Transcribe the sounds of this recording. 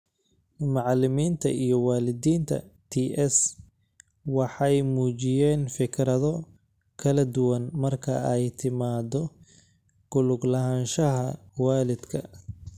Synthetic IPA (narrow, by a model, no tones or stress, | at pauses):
mɑʕlɪmiːnt̪ʰɐ̰ijɔwaːlɪd̪iːnt̪ʰɐ̰t̪ʰiːʔɛs | wɑħɑjmuːt͡ʃɪjɛːnfɪkʰɾɐðɔ | kʰɐlɐd̪ʊwɐnmɐrkʰɐ̰ɛjt̪ʰɪmaːd̪ɔ | ɡ̥ʊlʊɡlɐɦaːnʃɐɦɐwaːlɪd̪kʰɐ̰